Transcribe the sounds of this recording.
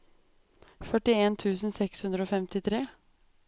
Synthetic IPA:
fœʈɪeːnt̪ʰʉːsn̩sɛkshʉnd̪ɾəoːfɛmt̪ɪt̪ʰɾeː

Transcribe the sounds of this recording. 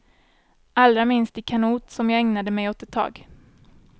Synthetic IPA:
ʔald̪ɾamɪnst̪ɪkʰanuːt̪sɔmjɑːɡɛŋnad̪əmɛjɔt̪ɛt̪ʰːɑ̰ːɡ

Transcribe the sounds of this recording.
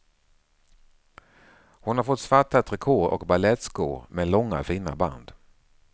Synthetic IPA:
hʊnhaɾfɔt̪ːsvaʈːat̪ʰɾɪkʰoːɾɔ̰kbalɛt̪skʊmɛlɔŋːa̰fiːna̰ba̰nd̪

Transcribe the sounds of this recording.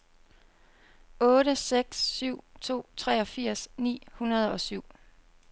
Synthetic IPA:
ɔ̽ːɾəseɡ̥sːyʊ̰t͡sʰo̝̰ːt͡sʰʁɛːɒ̽fiɐ̰snḭːhunɐð̞ˠɒ̽syʊ̰

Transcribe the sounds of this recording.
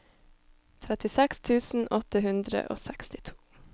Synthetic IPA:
t̪ʰɾɛt̪ɪsɛkst̪ʰʉːsn̩ʔɔt̪əhʉnd̪ɾə̰ʔo̰ːsɛkst̪ɪ̥t̪ʰu̥ː

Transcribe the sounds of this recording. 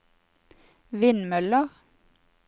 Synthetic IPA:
ʋɪnmœləʁ

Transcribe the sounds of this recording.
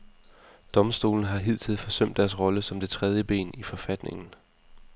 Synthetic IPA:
d̥ɒ̽msd̥o̝̰ːln̩ɦɑ̈ɦið̰ˠt͡sʰeð̰ˠfɒ̽søm̰d̥ːæɐsʁɒ̽ləsɒ̽md̥e̝t͡sʰʁɛð̞ˠjəb̥e̝̰ːnifɒ̽fæd̥ne̝ŋn̩

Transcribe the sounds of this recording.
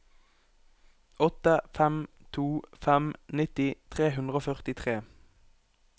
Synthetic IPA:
ɔt̪əfɛmt̪ʰuːfɛmnɪt̪ɪt̪ʰʁeːɦʉnd̪ʁoːfœʁt̪ɪt̪ʰʁeː

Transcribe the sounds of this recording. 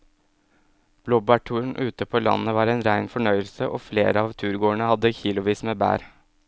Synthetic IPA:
b̥loːbɑːʈʰuːɳ̩ʔʉːt̪əpʰoːlɑ̰nəʋɑːɾæɪnɾæɪnfɔɳœʏəlsəʔoːfleːɾəɑːʋt̪ʰʉːɾɡoːəɳəhɑd̪ːəçiːlʊʋiːsmeːbæ̰ːɾ

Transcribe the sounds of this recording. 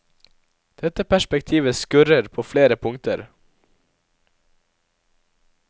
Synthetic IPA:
d̪̥ɛt̪əpʰæʃpɛkt̪ʰiːʋəskʉɾəɾpʰoːfleːɾəpʰʊŋt̪ʰəɾ

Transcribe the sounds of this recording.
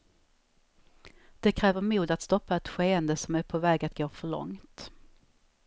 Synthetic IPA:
d̪̥ɛkʰɾɛːvəɾmuːd̪at̪st̪ɔpːaɛt̪ɧeːənd̪əsɔmæɾpʰovɛːɡat̪̚ɡoːfœɭɔ̰ŋt̪

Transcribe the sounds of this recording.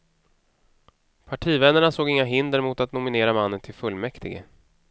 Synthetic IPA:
pʰaʈʰiːvɛnːəɳasoːɡɪŋːaɦɪnd̪əɾmʊt̪at̪̚nʊmɪneːɾamanːənt̪ʰɪlfɵlːmɛkt̪ɪɡə̰

